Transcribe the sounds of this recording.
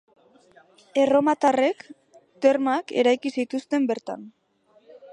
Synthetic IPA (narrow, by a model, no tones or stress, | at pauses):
e̞ro̞mat̪are̞k | t̪e̞ɾmake̞̰ɾajkisit̪ust̪e̞mbe̞ɾt̪a̰n